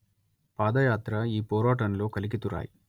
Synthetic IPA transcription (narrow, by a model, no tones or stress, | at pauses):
paːd̪ɐjaːt̪ɾɐiːpɔːɾaːʈɐnlo̞ːkɐlikit̪uɾa̰ːji